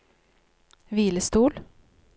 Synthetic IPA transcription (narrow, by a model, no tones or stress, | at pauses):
viːləst̪uːl